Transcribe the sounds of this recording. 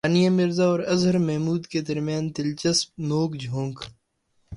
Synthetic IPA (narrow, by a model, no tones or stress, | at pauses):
aːnijamɪɾzaɔːɾɐzɦəɾmɛɦmuːd̪ked̪ɐɾmjaːnt̪ɪlt͡ʃɐsp̚noːkd͡ʒʱõːŋɡ